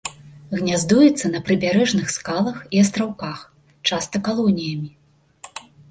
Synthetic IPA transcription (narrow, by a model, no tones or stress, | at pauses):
ɣnʲazd̪ujɛt̪sːɐnɐpɾɨbʲaɾɛʐnɨxskalˠɐxiɐs̬t̪ɾawkax | t͡ʂast̪ɐkalˠɔnʲijɐmʲi